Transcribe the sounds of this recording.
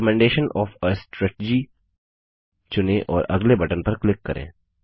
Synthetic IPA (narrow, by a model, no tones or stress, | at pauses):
əmɛ̃ːɳɖeːʃənʔɔːfəsʈɾɛːʈːd͡ʒi | t͡ʃʊnẽʔɔːɾɐ̰ɡlebɐʈənpɐɾklɪkːɐɾʔḛ̃ː